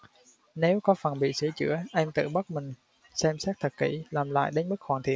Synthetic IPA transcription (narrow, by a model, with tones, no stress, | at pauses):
ne˨˦wkɔ˨˦fə˨˩nɓḭ˧˨sɨ˧˩ət͡ɕɨ̰˧˥əʔɛ˧mt̪ɨ̰˧˨ɓə˦˥t̚mï˨˩ŋ̟ | sɛ˧msɛ˦˥t̚t̪ʰə˨˩t̚kḭ˧˩laː˨˩mla̰ː˧˨jɗe˨˦nmɨ˦˥k̚xwaː˨˩nt̪ʰḭ˧˨ən